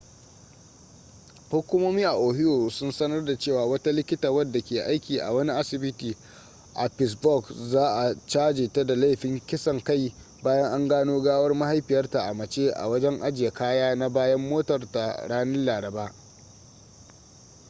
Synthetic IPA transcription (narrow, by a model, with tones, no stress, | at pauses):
hʊ˦kʷʊ˦moː˦miː˦ʔa˨ʔoː˨ɦɪ˦joː˨sʊ˦nsɐ˦nɐ˦rda˨t͡ʃeː˦˨waː˨wɐ˦ta˦lɪ˦kʲɪ˦taː˨wɐ˦dːa˨kʲeː˨ʔa˦jkʲiː˨ʔa̰˨wɐ˦ni˦ʔa˦sɪ˨bɪ˦tiː˨ | ʔa˨pɪ˨s̬bɔ˦˨kzaː˦ʔa˨t͡ʃaː˦d͡ʒeː˨ta˦da˨la˦jɸɪ˦ŋkʲɪ˦sɐ˨ŋka˦˨j | baː˦jɐ˦ŋʔa˦ŋɡaː˦noː˦ɡaː˦wɐ˦rma˦ha˦jɸɪ˨jɐ˦rta˨ʔa˨mɐ˨t͡ʃeː˦ʔa̰˨wɐ˦d͡ʒɛ˦ŋʔa˦d͡ʒɪ˨ja˨kaː˦jaː˦na˦baː˦jɐ˦mːoː˦tɐ˨rta˨ɽaː˦nɐ˦nlaː˨ɾɐ˨baː˦